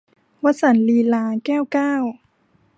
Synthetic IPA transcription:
wa˦˥t̪̚sa˧˦nliː˧laː˧kɛː˥˩wkaː˥˩w

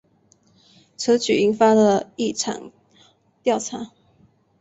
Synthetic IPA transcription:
t͡sʰɤ˧˥t͡ɕy˨˩i˧˥ŋfa˥də˨i˥˩ʈ͡ʂʰɑ̰˨˩ŋ | t̪jɑ˥˨˩ʊʈ͡ʂʰa˧˥

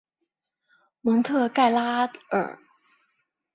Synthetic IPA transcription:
mɤ˧˥ŋt̪ʰɤ˥˧ka˥˩ɪla˥ə̰˞˨˩˦

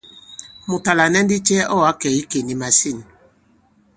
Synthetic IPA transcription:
mu˨ta˨la˨nɛ˦n˦di˦t͡ʃɛ˦ʔɔ˦˨a˨˦kɛ˨i˦ke˨ni˨ma˨si˦˨n˨

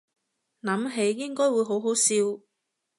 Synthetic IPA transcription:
nɐ˨˥mɦe˨˧˥jːɪ˥ŋkɔː˥jwu˨˧jɦo˨˥wɦo˨˥wsiː˧w

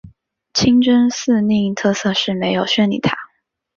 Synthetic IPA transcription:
t͡ɕʰi˥ŋʈ͡ʂə˥ns̩˥˧ni˥˧i˥˧ŋt̪ʰɤ˥˧sɤ˥˧ʂɻ̩˥˩me˧˥ɪjo˨˩ʊɕɥɛ˥˩nḭ˨˩t̪ʰa̰˥

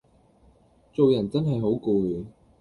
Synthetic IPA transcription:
t͡so˨wjɐ˨˩nt͡sɐ˥nɦɐ˨jɦo˨˥wkuː˨˧lyː˨˥

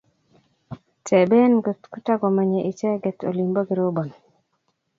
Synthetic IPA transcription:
tɛ˨bɛ˦nɡɔtku˦ta˦ɡɔ˨ma˨ɲɛ˨ʔi˨t͡ʃɛ˦ɡɛ˨to̰˨li˨mbo˦ɡi˨ɾo˦bɔ˨n

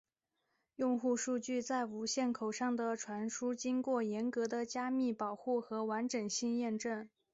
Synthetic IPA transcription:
jʊ˥˧ŋxu˥˧ʂu˥˧t͡ɕy˥˧t͡sa˥˩ɪu˧˥ɕjɛ˥˩nkʰo˨˩ʊʂɑ˥˩ŋd̪ə˩ʈ͡ʂʰwa˧˥nʂu˥t͡ɕi˥ŋkwɔ˥˩jɛ˧˥nkɤ˧˥d̪ə˧t͡ɕja˥mi˥˩pɑ˨˩ʊxu˥˩xɤ˧˥wa˧˥nʈ͡ʂɤ˨˩ŋɕi˥˧ŋjɛ˥˧nʈ͡ʂə˥˩n

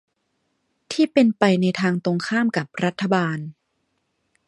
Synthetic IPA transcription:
t̪ʰiː˥˩pe˧npa˧jna˧jt̪ʰaː˧ŋt̪o˧ŋkʰaː˥˩mka˨˩p̚ɾa˦˥t̪ʰːa˧baː˧n

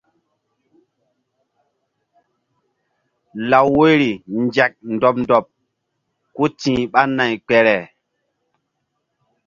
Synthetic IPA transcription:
la˨wwo˦jɾi˨nd͡ʒa˨k̚ndɔ˨p̚ndɔ˨p̚ | ku˦tĩː˨ɓa˦nːa˨jk͡pɛ˨ɾɛ˨

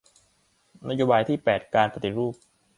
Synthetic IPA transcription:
na˦˥joː˧baː˧jt̪ʰiː˥˩pɛː˨˩t̪̚kaː˧npa˧t̪i˨˩ɾuː˥˩p̚

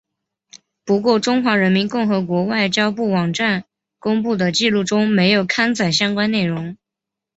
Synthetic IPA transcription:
pu˧˥kwɔ˥˩ʈ͡ʂʊ˥ŋxwa˧˥ɻə˧˥nmi˧˥nkʊ˥˩ŋxɤ˧˥kwɔ˧˥wa˥˩ɪt͡ɕjɑ˥ʊpu˥˩wɑ˨˩ŋʈ͡ʂa˥˩n | kʊ˥ŋpu˥˩d̪ə˩t͡ɕi˥˧lu˥˩ʈ͡ʂʊ˥ŋme˧˥ɪjo˨˩ʊkʰa˥nt͡sa˨˩ɪɕjɑ˥ŋkwa˥nne˥˩ɪɻʊ˧˥ŋ

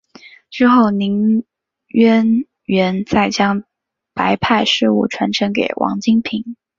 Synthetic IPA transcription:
ʈ͡ʂɻ̩˥˧xo˥˩ʊni˧˥ŋ | ɥɛ˥n | ɥɛ˧˥nt͡sa˥˩ɪt͡ɕjɑ˥ŋ | pa˧˥ɪpʰa˥˧ɪʂɻ̩˥˧ṵ˥˩ʈ͡ʂʰwa˧˥nʈ͡ʂʰɤ˧˥ŋkḛ˨˩ɪwʔɑ̰˧˥ŋt͡ɕi˥ŋpʰi˧˥ŋ

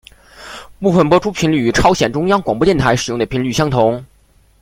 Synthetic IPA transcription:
pu˥˧˩fə˥˩npwɔ˥ʈ͡ʂʰu˥pʰi˧˥nly˥˩y˨˥˩ʈ͡ʂʰɑ˥ʊɕjɛ˨˩nʈ͡ʂʊ˥ŋjɑ˥ŋkwɑ˨˩ŋpwɔ˥jɛ˥˩nt̪ʰa˧˥ɪʂɻ̩˨˩jʊ˥˩ŋd̪ə˩pʰi˧˥nly˥˩ɕjɑ˥ŋt̪ʰʊ˧˥ŋ

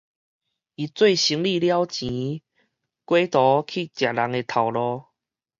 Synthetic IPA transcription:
i˨˩t͡swe˥˧ɪɕi˧˦ŋli˥˧˨lja˦wt͡ɕĩ˨˦ | kwe˦t̪ɔ˨˦kʰi˥˨t͡ɕja˨˩la˨˦ŋe˧t̪ʰa˨˩wlɔ˧

